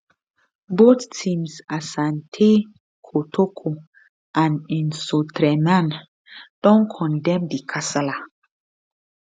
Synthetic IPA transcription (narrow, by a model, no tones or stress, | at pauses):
boθtʰĩmsasãntʰe | kʰotʰokʰo | ãnĩnsotɾɛmãn | d̥ɔ̃nkʰɔ̃ndɛ̃mdikʰasala